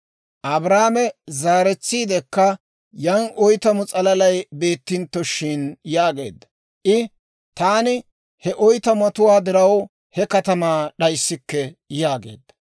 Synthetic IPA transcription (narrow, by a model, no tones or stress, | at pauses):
ʔɐbɾaːmɛzaːɾɛt͡sːiːd̪ɛkːɐ | jɐnʔɔjt̪ɐmʊt͡sʼɐlɐlɐjbe̞ːt̪ːɪnt̪ːɔʃɪnjaːɡe̞̰ːd̪ːɐ | ʔɪ | t̪aːnɪ | hɛʔɔjt̪ɐmɐt̪ʊwaːd̪ɪɾɐw | hɛkɐt̪ɐmaːɗɐjsːɪkːɛjaːɡḛːd̪ːɐ̥